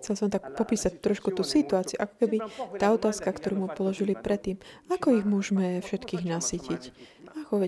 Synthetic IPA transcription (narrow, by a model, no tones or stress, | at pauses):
xt͡sɛlsɔmt̪akpɔpiːsac̚t̪ɾɔʃkut̪uːsit̪uaːt͡siuʔakɔ̥kɛbit̪aːɔt̪aːskakt̪ɔɾuːmupɔlɔʒilipɾʔɛt̪ːiːmakɔiɣmʊɔʒmɛfʃɛt̪kiːɣnasiːcicakɔʋɛ